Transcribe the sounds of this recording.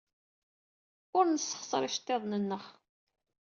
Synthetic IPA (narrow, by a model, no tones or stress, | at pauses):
ʊɾnəsːə̥χsˤɾˤɪʃt̪ːeðˤnənːəχ